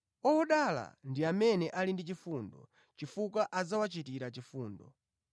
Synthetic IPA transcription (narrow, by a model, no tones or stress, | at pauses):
ɔɔɗala̰ndiamɛnɛʔalindit͡ʃifundɔ̰ | t͡ʃifukaʔad͡zawat͡ʃitiɾat͡ʃifuːndɔ̰